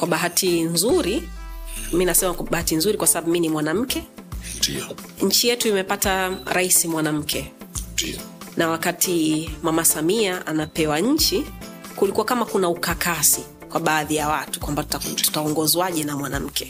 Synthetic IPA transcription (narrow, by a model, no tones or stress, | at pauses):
kwaɓaɦatʰinzuɾi | minnasɛmaɓahatinzuɾikwasaɓaɓuminimwanam̩kɛ̰ | ɲ̩t͡ʃijɛtuimɛpataɾaisimwanam̩kʰɛ | nawakatʰimamasamiaʔanapɛwaɲ̩t͡ʃi | kulikuwakamakunaukakʰasi | kwaɓaːðijawatu̥kwambatu̥taɔŋɡɔzwaʄɛnamwana̰m̩kʰɛ